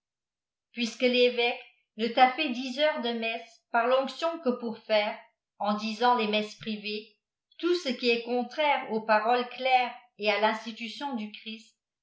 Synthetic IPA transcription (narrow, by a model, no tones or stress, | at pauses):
pɥiskəlevɛk | nət̪afɛd̪izœʁd̪əmɛs | paʁlɔ̃ksjɔ̃kəpuʁfɛːʁ | ɑ̃d̪izɑ̃lemɛspχive | t̪usəkʲiɛkɔ̃t̪χɛʁopaʁɔlklɛʁ | ealɛ̃st̪it̪ysjɔ̃d̪ykχist̪